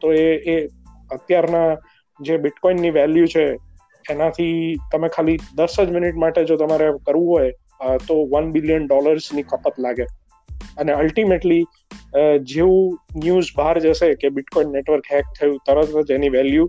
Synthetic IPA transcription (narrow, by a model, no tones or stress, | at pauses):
t̪oee | ət̪jaɾna | d͡ʒebɪʈkɔinːiʋɛljut͡ʃʰeː | nat̪ʰit̪əmekʰalid̪əɾsəd͡ʒmɪniʈmaʈed͡ʒot̪əmaɾekəɾʋũɦoj | t̪oʋənbɪlijənɖɔləɾznikəpət̪laɡe | əneəlʈimeʈli | d͡ʒeʋũnjuzbaɦɾd͡ʒəʃekebɪʈkɔinːeʈʋəɾkɦɛk̚t̪ʰːəjũt̪əɾət̪əd͡ʒeniʋɛlju